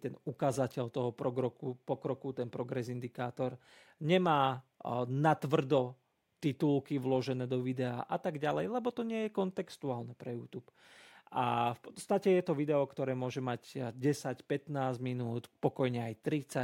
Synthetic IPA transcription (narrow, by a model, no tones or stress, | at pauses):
t̪ɛnukaːzacɛʎt̪ɔɦɔpɔɡɾɔkupɔkɾɔkut̪ɛnpɾɔɡɾɛzind̪ikaːt̪ɔɾ | ɲɛmaː | nat̪ʋr̩d̪ɔ | t̪it̪ulkiʋlɔʒɛnɛːd̪ɔʋid̪ɛa̰ːʔat̪aɡɟalɛjlɛbɔt̪ɔɲɪɛjɛkɔnt̪ɛkst̪uaːlnɛpɾɛjuːt̪uːp | a̰fpɔ̥t͡sst̪acɛjɛt̪ɔʋid̪ɛɔkt̪ɔɾɛːmʊɔʒɛmaɟɟɛsacpɛt̪naːzɟminuːt̪pɔkɔjɲɛajt̪ɾit͡sa